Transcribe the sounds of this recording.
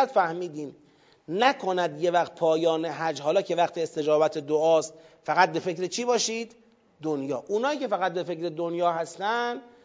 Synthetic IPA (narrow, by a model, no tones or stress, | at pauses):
t̪fæhmiːd̪iːm | nækʰo̞næd̪je̞væxt̪̚pʰɒːjɒːneɦæd͡ʒɦɒːlɒːcʰe̞væχt̪ʰiːest̪e̞d͡ʒɒːbæt̪ʰed̪oɒːst̪ | fæɣæt̪̚be̞fe̞kɾet͡ʃʰiːbɒːʃiːd̪ː | onjɒːʔunɒːiːcʰe̞fæɣæt̪̚be̞fe̞cɾe̞d̪onjɒːɦæst̪ænd̪